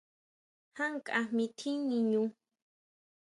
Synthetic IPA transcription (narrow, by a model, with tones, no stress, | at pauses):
ha˦ŋkʼa˨mi˧t̪ʰi˦ɲi˧ɲu˧